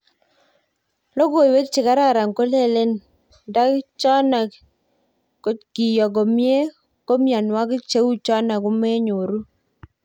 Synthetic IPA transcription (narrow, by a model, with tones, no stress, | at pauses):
lo˦ɡo˨jwe˦k̚t͡ʃɪ˨ka˦ɾa˦˨ɾa˨ŋko˦le˦le˦n | da˦kt͡ʃɔ˦na˨ | ko˨˦ki˨jɔ˨ɡo˨mje˦ | ko˦mja˨nwa˦kɪ˦t͡ʃe˦wu˦t͡ʃɔ˦na˨ku˦me˦ɲo˨ɾu˦